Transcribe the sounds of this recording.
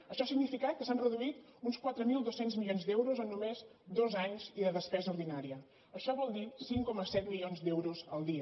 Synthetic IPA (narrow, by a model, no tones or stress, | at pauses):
əʃɔasiɡnifikat̪̚kəsanrəðuit̪unskwat̪ɾəmilˠd̪osenzmilionzd̪ɛwɾuzənːumez | d̪ozaɲziðəðəspɛzəuɾðinaɾiə | əʃɔβɔlˠd̪isiŋkɔməsɛt̪milionzd̪ɛwɾuzə̰lˠd̪iə